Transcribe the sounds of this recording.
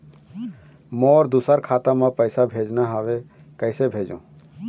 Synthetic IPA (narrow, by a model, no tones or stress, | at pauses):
mɔɾd̪usəɾkʰat̪amãpəɪsabʱed͡ʒnaɦaːʋe | kəɪsebʱeːd͡ʒṵ̃ː